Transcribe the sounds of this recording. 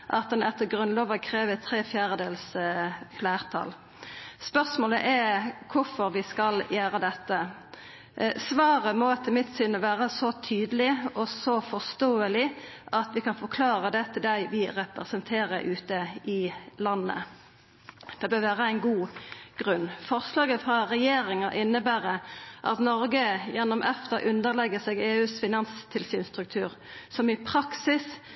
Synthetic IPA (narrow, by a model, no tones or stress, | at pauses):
ʔɑt̪̚d̪ɛnɛt̪ːəɡʁʉnloːʋəkʰʁeːʋət̪ʰːɾeːfjæːʁəd̪eːlsflæːʁt̪ʰɑ̰l | spœʁsmoːləʔɛɾkʰʊɾfɔɾʋɪskɑljæːɾəd̪ɛt̪ːə | sʋɑːʁəmɔt̪ʰɪmɪt̪sʏnːəʋæːʁəsɔt̪ʰyːd̪əlɪɔsɔfɔst̪oːəlɪʔɑt̪ʋɪkɑnfɔɾkʰlɑːɾəd̪ɛt̪ʰːɪld̪æɪʋɪʁɛpɾəsənt̪ʰeːʁəʔʉːt̪əɪlɑnːə̰ | d̪̥ɛbøːɾʋæːʁəæɪnɡuːɡ̥ʁʉnːfɔʁslɑːɡəfʁɑʁɛjeːɾɪŋəʔɪnːəbæːʁəʔɑ̰t̪nɔɾɡəjɛnːʊmʔɛft̪əʔʉnd̪əʁlɛɡəsɛɡeːʉːsfɪnɑnst̪ʰɪlsyːnst̪ʁʉk̚t̪ʰʉ̰ːʁ | sɔmɪpʰɾɑksɪs